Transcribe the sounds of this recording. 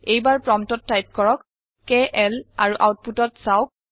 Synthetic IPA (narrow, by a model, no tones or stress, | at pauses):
ejbaɹpɹɔmtɔtːajp̚kɔɹɔk | keʔɛlaɹuʔawt̚putɔtsawk̚